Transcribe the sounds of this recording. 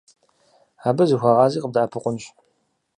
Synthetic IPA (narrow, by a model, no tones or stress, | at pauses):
aːbɐzixʷɑʁɑːziːqəb̚dʔaːpʰɨqʷʊnɕ